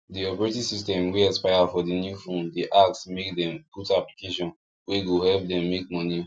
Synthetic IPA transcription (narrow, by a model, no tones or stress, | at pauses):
diɔpɛɹetisistɛ̃mweɛspaɪafɔdinjufõndiʔak̚tsmek̚dɛ̃mkutaplikeʃɔ̃n | weɡohɛlp̚dɛ̃mːek̚mɔni